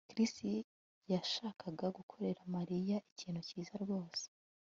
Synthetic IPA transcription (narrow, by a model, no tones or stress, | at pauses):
kɾisti | jaʃaːkʰaɡaɡukʰo̞ɾe̞ɾamaɾijaʔiciːn̥huciːzaɾɡwo̞ːse̥